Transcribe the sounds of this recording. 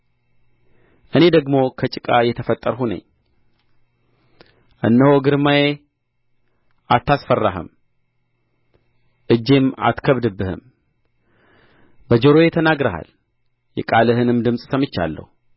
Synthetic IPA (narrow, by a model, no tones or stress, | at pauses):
ʔɨne̞d̪əɡmo̞kʰət͡ʃʼɨkʼajɛt̪ʰəfət̪ʼːəɾɦunə̰ɲː | ʔɨnːəhoɡɨɾmaje | ʔat̪ʰːasfərːaɦə̰m | ʔɨd͡ʒːe̞ma̰t̪kʰəβd̪ɨbːɨhɨ̰m | bəd͡ʒəɾo̞jɛt̪ʰənaɡɾəha̰l | jɛ̰kʼalɨhɨnɨmd̪ɨmsʼsəmɨt͡ʃːa̰lːə̰hu